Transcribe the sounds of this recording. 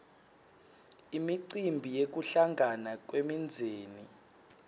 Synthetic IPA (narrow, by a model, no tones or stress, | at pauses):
imiǀimbʱijek̬uɬaŋʱanak̬wemind͡zʱeːni